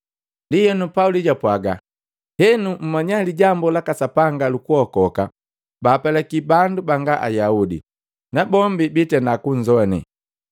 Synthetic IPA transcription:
dijɛnupauliɟapwaɡa̰ | hɛnum̩maɲaliɟambɔlakasapaŋɡalukuhɔkɔka | baːpɛlɛkibandubaŋɡaʔa̰jaudḭ | nabɔmbibitɛnakuɲd͡ʒɔnḭ

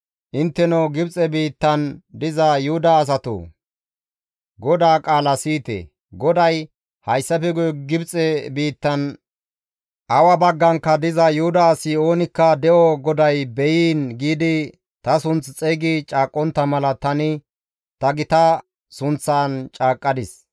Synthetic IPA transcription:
ʔɪnt̪ːɛnɔɡɪbt͡sʼɛbiːt̪ːɐnd̪ɪzɐjʊhʊd̪ɐːs̬ɐt̪o̰ | ɡɔd̪aːkʼaːlɐsiːt̪ḛː | ɡɔd̪ɐj | hɐjsːɐfɛɡʊjɡɪbt͡sʼɛbiːt̪ːɐn | ʔɐwɐbɐɡːɐŋkːɐd̪ɪzɐjʊhʊd̪ɐːsɪo̞ːnɪkːɐd̪ɛʔɔɡɔd̪ɐjbɛjiːnɡiːd̪ɪ | t̪ɐsʊnt͡st͡sʼɛːɡɪt͡ʃʼaːkʼːɔnt̪ːɐmɐlɐt̪ɐnɪ | t̪ɐɡɪt̪ɐ | sʊnt͡sːaːnt͡ʃʼaːkʼːɐd̪ɪs

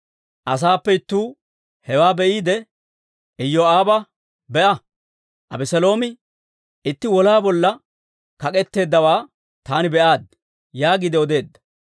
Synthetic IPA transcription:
ʔɐs̬aːpːɛɪt̪ːuː | hɛwaːbɛʔiːd̪ɛ | ɪjːoaːbɐ | bɛʔɐ | ʔɐbɛsɐlo̞ːmɪ | ɪt̪ːɪwɔlaːbɔlːɐ | kɐkʼɛt̪ːe̞ːd̪ːɐwaː | t̪aːnɪbɛʔaːd̪ | jaːɡɪd̪ɛɔd̪e̞ːd̪ːɐ̥

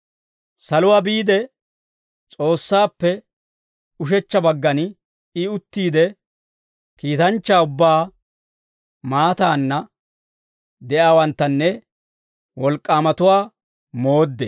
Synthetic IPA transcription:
sɐlʊwaːbiːd̪ɛ | t͡sʼo̞ːsːaːpːɛ | ʊʃ̬ɛt͡ʃːɐbɐɡːɐn | ɪʊt̪ːiːd̪ɛ | kiːt̪ɐnt͡ʃːaːʊbːaː | maːt̪aːnːɐ | d̪ɛʔaːwɐnt̪ːɐnːɛ | wɔlkʼːaːmɐt̪ʊwaː | mo̞ːd̪ːɛ

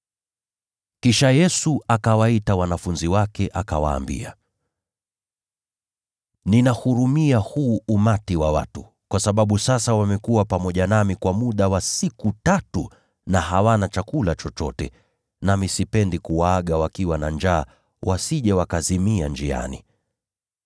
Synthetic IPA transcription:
kiʃajɛsuakawaitawanafunziwakɛʔakawa̰ːmbḭa̰ | ninahuɾumiahuːumatiwawa̰tu | kwasaɓaɓusasawamɛkuwapamɔʄanamikwamuɗawasikutatu | naɦawanat͡ʃakulat͡ʃɔt͡ʃɔtɛ̰ | namisipɛndikuwaaɠawakiwanand͡ʒaː | wʔasiʄɛwakazimiand͡ʒia̰nḭ

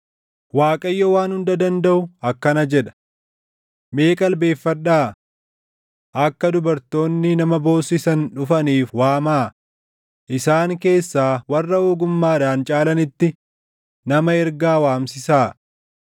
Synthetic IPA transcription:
waːkʼɐjːɔwaːnhʊnd̪ɐd̪ɐnd̪ɐʔʊɐkːɐnɐd͡ʒɛᶑɐ̥ | me̞ːkʼɐlbe̞ːfːɐᶑːaː | ʔɐkːɐd̪ʊbɐɾt̪o̞ːnːɪnɐmɐbo̞ːsɪsɐnᶑʊfɐniːfwaːmaː | ʔɪsaːŋke̞ːsːaːwɐrːɐoːɡʊmːaːᶑaːnt͡ʃʼaːlɐnɪt̪ːɪ | nɐmɐɛɾɡaːwaːmsɪsaː

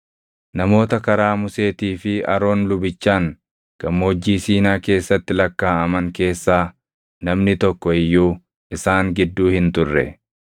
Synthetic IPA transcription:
nɐmo̞ːt̪ɐkɐɾaːmʊse̞ːt̪iːfɪɐ̰ɾo̞ːnlʊbɪt͡ʃːaːŋ | ɡ̥ɐmːo̞ːd͡ʒːiːsiːnaːke̞ːsːɐt̪ːɪlɐkːaːɐmɐŋke̞ːsːaː | nɐmnɪt̪ɔkːɔɪjːuː | ʔɪsaːŋɡɪd̪ːuːhɪnt̪ʊrːɛ̰

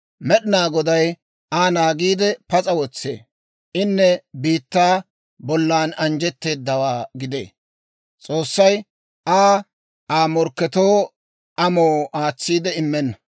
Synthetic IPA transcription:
mɛɗɪnaːɡɔd̪ɐj | aːnaːɡiːd̪ɛpɐt͡sʼɐwɔt͡sːḛː | ʔɪnːɛbiːt̪ːaː | bɔlːaːnɐnd͡ʒɛt̪ːe̞ːd̪ːɐwaːɡɪd̪ḛː | t͡sʼoːsːɐj | ʔaː | aːmɔɾkːɛt̪oː | ʔɐmoːaːt͡sːiːd̪ɛɪmːɛnːɐ

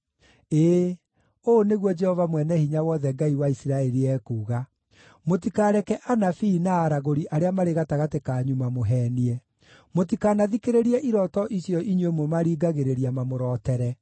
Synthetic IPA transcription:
eː | oːneɣwɔd͡ʒɛhɔvamwɛnɛhiɲawɔðɛɡaiwaisiɾaɛɾiɛːkuːɣa | motikaːɾɛkɛʔanafiːnaːɾaɣoɾiʔaɾeamaɾeɣataɣatekaːɲumamoɦɛːniɛ | mot̬ikanaðikeɾeɾiɛʔiɾɔtɔʔisjɔʔiɲemomaɾiːɡaɣeɾeɾiamamoɾɔːtɛɾɛ

